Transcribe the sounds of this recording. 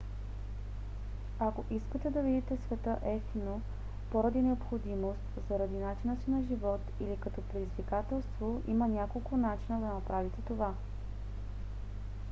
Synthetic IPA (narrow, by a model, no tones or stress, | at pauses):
akoʔiskət̪ɛd̪ɐvid̪it̪ɛsvɛt̪əʔɛft̪ino | poɾɐd̪inɛopxod̪imost̪zɐɾɐd̪inat͡ʃinəsinɐʒivɔt̪ilikɐt̪ɔpɾɛd̪izvikat̪ɛlˠst̪voḭmənʲakolˠkʊnat͡ʃinəd̪ɐnɐpɾavit̪ɛt̪ova